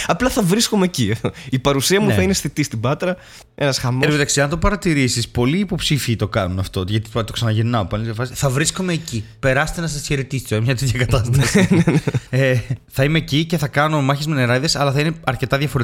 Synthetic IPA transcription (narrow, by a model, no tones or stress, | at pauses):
ɐplɐθɐvɾiskomecieðoipɐɾusiɐmuθɐinesθit̪ist̪ibɐt̪ɾɐ | e̞nɐsxɐmopit̪ɐksiɐnt̪opɐɾɐt̪iɾisispo̞liːpo̞psifiːt̪o̞kɐnunɐft̪o̞ʝɐt̪i̥t̪t̪o̞ksɐnɐʝeɾnɐopɐljɐfɐsiθɐvɾisko̞me̞ːcipe̞ɾɐse̥t̪enɐs̬ɐsçe̞ɾet̪ist̪oenmɲɐt̪et̪çɐkɐt̪ɐst̪ɐsineneeθɐime̞cice̞θɐkɐno̞mɐçezmeneɾɐðesɐlɐθɐineɐɾce̞t̪ɐðjʝɐfoɾ